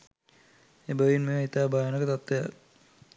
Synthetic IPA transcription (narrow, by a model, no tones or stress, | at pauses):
ebəʋinmeʋit̪aːbʱaːjənəkət̪at̪ːʋeja̰